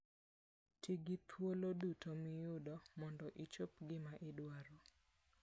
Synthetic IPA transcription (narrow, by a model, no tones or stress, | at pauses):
tʰiɡɪt̪ʰwolodutomɪjʊdɔmɔndɔʔit͡ʃopɡɪmaʔɪdwaɾo